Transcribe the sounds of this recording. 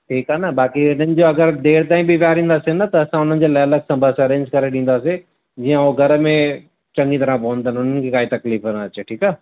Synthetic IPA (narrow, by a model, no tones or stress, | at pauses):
ʈʰiːkaːnɐbaːkiʊn̤ənɪ̆d͡ʑoɐɡəɾd̪eːɽt̪ãːĩbʱiʋjaːɾĩːnd̪aːsinɐt̪ɐɐsãʊn̤ənɪ̆d͡ʑoːlaːələɡsɐ̃mbʱasaɾẽːnskɐɾeɗĩːn̆d̪aːsi | d͡ʑiːãoɡʱɐɾəmẽ | t͡ɕɐ̃ŋɡit̪ɐɾãp̬ɐɦnt̪ʰənʊn̤ənɪkʰekaːit̪ɐkliːfəɾãt͡ɕeʈʰiːkaː